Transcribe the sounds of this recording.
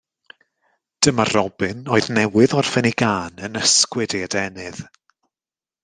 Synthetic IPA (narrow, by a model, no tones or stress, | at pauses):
d̥əmarɔbɨnoːɨðnɛwɪðɔrfɛniɡaːnənəskwɨdiadɛnɨð̥